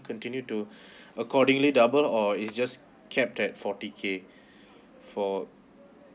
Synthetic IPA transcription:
kʰɔ̃ntĩnjutuəkʰɔdɪ̃ŋlidabəlɔitsd͡ʒas | kʰɛp̚tɛt̚fɔtikʰe | fɔ

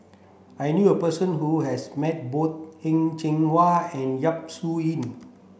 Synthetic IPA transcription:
ajnjuəpəsə̃nɦuɦɛsmɛt̚bot̪̚hɛ̃ŋt͡ʃɛ̃ŋwaɛ̃njap̚suĩn

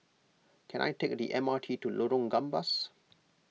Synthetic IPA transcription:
kʰɛ̃nʔa̰jtek̚d̪ḭʔɛ̃maːʈʰiːtuloɾɔ̃ŋɡãmbas

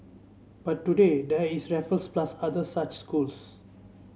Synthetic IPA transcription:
b̥atːuded̪ɛisɹɛfəlsplasad̪əsat͡ʃskuls

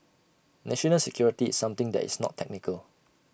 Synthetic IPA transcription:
nɛʃɔnəlsɛkʰjɔɹitiːsːãmt̪ɪ̃ŋdɛ̰tḭsnɔ̰tʰɛk̚nikʰəl

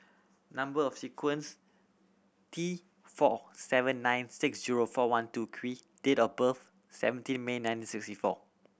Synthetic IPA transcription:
nãmbəɔfsikʰwə̃ns | tʰi | fɔ̰sɛvə̃nːãj̃nsɪksziɹofɔwãntukʰɹi | detɔbəf | sɛ̰və̃ntĩnmenãj̃ntĩnsɪkstifɔ̰

